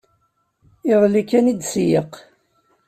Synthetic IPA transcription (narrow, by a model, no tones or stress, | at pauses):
ɪðˤlikːænid̪sjəq